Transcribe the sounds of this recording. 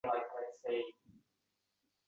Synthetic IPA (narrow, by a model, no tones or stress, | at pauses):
laɪkaɪseɪ